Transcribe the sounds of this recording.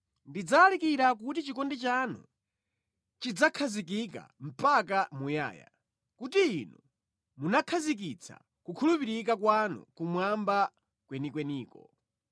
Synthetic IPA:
ndid͡zalikiɾak̬utit͡ʃikɔndɛt͡ʃanɔ̰ | t͡ʃid͡zakʰazik̬ik̬a̰m̩pakamuja̰ːja̰ | kutiːnɔ | munakʰazik̬it͡sʰa̰ | kukʰulupiɾik̬akwanɔ̰kumwamba | kwɛnikwɛniːkɔ

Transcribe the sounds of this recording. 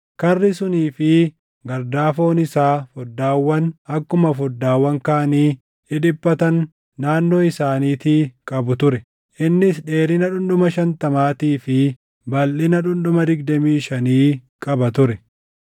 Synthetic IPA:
kɐrːɪsʊniːfɪ | ɡɐɾd̪aːfo̞ːnɪsaːfɔd̪ːaːwːɐnɐkːʊmɐfɔd̪ːaːwːɐŋkaːɐniː | ɪᶑɪbːɐt̪ɐnː | aːnːo̞ːɪsaːniːt̪iːkʼɐbʊt̪ʊɾɛ | ʔɪnːɪsᶑe̞ːɾɪnɐᶑʊnɗʊmɐʃɐnt̪ɐmaːt̪iːfɪ | bɐlːɪnɐᶑʊnɗʊmɐd̪ɪɡd̪ɐmiːʃɐniːkʼɐbɐt̪ʊɾɛ

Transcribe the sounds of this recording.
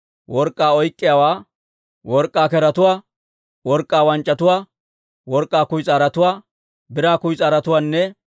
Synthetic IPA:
wɔɾkʼːaːɔjkʼːɪjawaː | wɔɾkʼːaːkɛɾɐt̪ʊwaː | wɔɾkʼːaːwɐnt͡ʃʼːɐt̪ʊwaː | wɔɾkʼːaːkʊjt͡sʼaːɾɐt̪ʊwaː | bɪɾaːkʊjt͡sʼaːɾɐt̪ʊwaːnːɛ

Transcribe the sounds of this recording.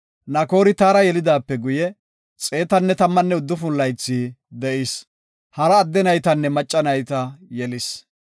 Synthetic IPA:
nɐko̞ːɾɪt̪aːɾɐjɛlɪd̪aːpːɛɡʊjɛ | t͡sʼe̞ːt̪ɐnːɛt̪ɐmːɐnːɛʊd̪ːʊfʊlːɐjt͡sːiːd̪ɛʔɪs | hɐɾɐːd̪ːɛnɐjt̪ɐnːɛmɐt͡ʃʼːɐnɐjt̪ɐjɛlɪs

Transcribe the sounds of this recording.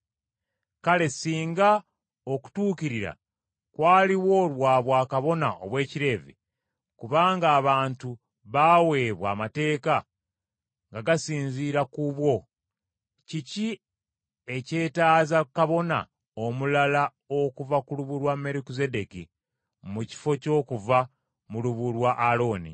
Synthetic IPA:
kale̞siːŋɡa | o̞ku̥tuːkiɾiɾa̰ | kwaːliwo̞ːlwaːβwaːkaβo̞na̰ʔo̞̰βwe̞ːciɾe̞ːvḛ | kuβaːŋɡaːβaːntu | βawe̞ːβwa̰ːmate̞ːka | ŋɡaɡasiːnziːɾakuβwo̞ | cici | e̞ce̞ːtaːzakaβo̞na̰ | o̞mulala | o̞kuvakuluβuɾwame̞ɾikize̞de̞ki | muci̥fo̞co̞ːkuva | muluβulwaʔːlo̞ːnḭ

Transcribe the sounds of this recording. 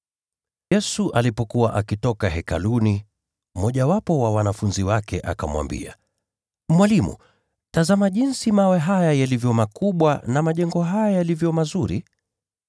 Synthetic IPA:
jɛsuʔalipɔkuwaʔakitɔkaɦɛka̰luni | mɔʄawapɔwawanafunziwakɛʔa̰kamwa̰mbḭa̰ | mwalimṵ | tazamaʄinsimawɛɦajajalivjɔmakuɓwanamaʄɛŋɡɔɦajajalivjɔmazuɾi

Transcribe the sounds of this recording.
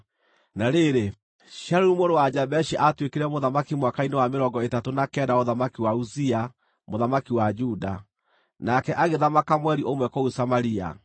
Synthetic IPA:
naɾeɾe | ʃaɾumoɾowad͡ʒabɛʃiʔatwekeɾɛmoðamakimwakainewameɾɔŋɡɔetatonakɛdaoðamakiwauzia | moðamakiwad͡ʒuda | nakɛʔaɣeðamakamwɛɾiʔomwɛkɔusamaɾia̰

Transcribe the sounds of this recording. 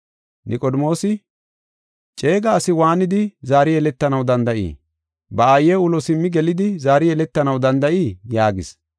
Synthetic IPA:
nʔɪkʼɔd̪mo̞ːsɪ | t͡ʃʼe̞ːɡɐːsɪwaːnɪd̪ɪzaːɾɪjɛlɛt̪ːɐnɐwd̪ɐnd̪ɐʔḭː | bɐajːɛʊlɔsɪmːɪɡɛlɪd̪ɪzaːɾɪɛlɛt̪ːɐnɐwd̪ɐnd̪ɐʔiːjaːɡɪ̰s

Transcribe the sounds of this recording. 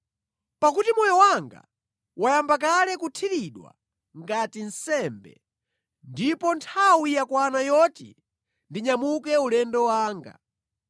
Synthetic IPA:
pakutimɔjɔwaŋɡa̰ | wajambak̬alɛkutʰiɾiɗwa̰ | ŋɡatin̩sɛmbɛ̰ | ndipɔntʰawijakwanajɔtḭ | ndiɲamuk̬ɛulɛndɔwaːŋɡa̰

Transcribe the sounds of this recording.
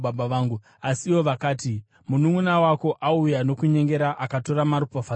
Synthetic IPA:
babaʋaːŋɡu | asiːʋo̞ʋakaːti | munumunawako̞ʔaujano̞kuɲe̞ŋɡe̞ɾaʔakato̞ɾamaɾupofa

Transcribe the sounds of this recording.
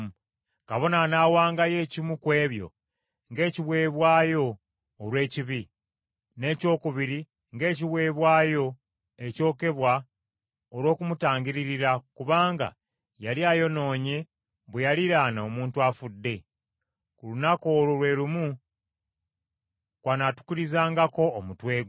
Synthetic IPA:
kaβo̞nanaːwaːŋɡaje̞ːcimukwe̞ːβjo̞̰ | ŋɡe̞ːciβwe̞ːβwaːjo̞ː | lwe̞ːciβi | ne̞ːco̞ːkuβiɾi | ŋɡe̞ːciβwe̞ːβwaːjo̞ | e̞co̞ːke̞βwa | olwo̞ːkumutaːɲɡiɾiɾiɾakuβaːŋɡa̰ | jaliajo̞no̞ːɲe̞ | βwejaliɾanoomuːntuafudːe̞ | kulunako̞ːlolwe̞ːlumu | kwanatu̥kiɾizaːŋɡako̞ːmutwe̞ːɡ

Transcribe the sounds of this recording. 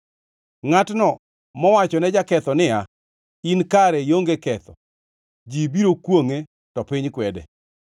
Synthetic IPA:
ŋatnɔ | mɔwat͡ʃɔnɛd͡ʒakɛt̪ɔnɪa | inkaɾɛjoŋɡekɛt̪ɔ̰ | d͡ʒibiɾokwoŋe | tɔpɪɲkwɛdɛ̰

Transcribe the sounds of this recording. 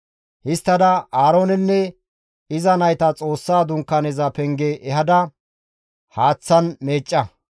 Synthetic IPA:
hɪst̪ːɐd̪ɐaːɾo̞ːnɛnːɛ | ɪzɐnɐjt̪ɐt͡sʼo̞ːsːaːd̪ʊŋkːɐnɛzɐpɛŋɡɛʔɛɦɐd̪ɐ | haːt͡sːɐnme̞ːt͡ʃʼːɐ

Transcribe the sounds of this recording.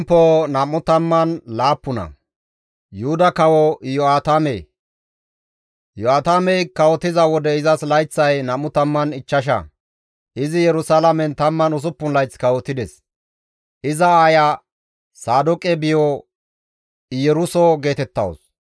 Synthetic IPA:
mpːoːnɐmːʊt̪ɐmːɐnlaːpːʊnɐ̰ | jʊhʊd̪ɐkɐwɔjɔaːt̪amḛj | jɔaːt̪amɛjkɐwɔt̪ːɪzɐwɔd̪ɛɪzɐslɐjt͡sːɐjnɐmːʊt̪ɐmːɐnɪt͡ʃːɐʃ̬ɐ̰ | ʔɪzɪjɛɾʊsalɐmɛnt̪ɐmːɐnʊs̬ʊpːʊnlɐjt͡skɐwɔt̪ːɪd̪ɛs | ʔɪzɐaːjɐ | saːd̪ʊkʼɛbɪjɔ | jɛɾʊsɔɡe̞ːt̪ɛt̪ːɐ̰ws

